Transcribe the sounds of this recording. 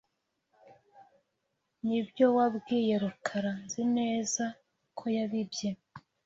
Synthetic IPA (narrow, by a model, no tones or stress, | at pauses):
nibjo̞wabɡiːje̞ɾukʰaɾanzine̞ːza | kʰo̞jaβibje̞